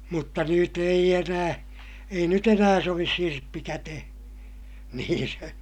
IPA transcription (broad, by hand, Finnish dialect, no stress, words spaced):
mutːɑ nyt eij enæː ei nyt enæː soʋis sirpːi kætehe̥ niːn se